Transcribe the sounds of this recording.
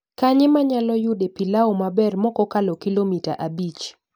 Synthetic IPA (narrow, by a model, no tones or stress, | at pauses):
kaɲɪmaɲalɔjʊdepilaomabɛrmɔkɔkalɔkilomita̰ʔabit͡ʃ